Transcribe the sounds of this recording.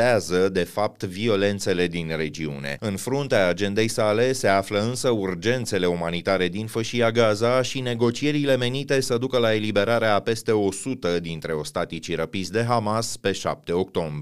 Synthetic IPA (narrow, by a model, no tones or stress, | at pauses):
azəd̪e̞fap̚t̪vio̞le̞nt̪se̞le̞d̪inre̞d͡ʒiṵne̞̰ɨnfɾunt̪eaːd͡ʒe̞nd̪e̞jsale̞se̞afləɨnsəurd͡ʒe̞nt̪se̞le̞umanit̪aɾe̞d̪infəʃiaɡazaʃine̞ɡo̞t͡ʃie̞ɾile̞me̞nit̪e̞səd̪ukəlae̞libe̞ɾaɾeape̞st̪e̞o̞sut̪əd̪int̪ɾe̞o̞st̪at̪it͡ʃiɾəpizd̪e̞ɦamaspe̞ʃa̰p̚t̪e̞o̞k̚t̪o̞mb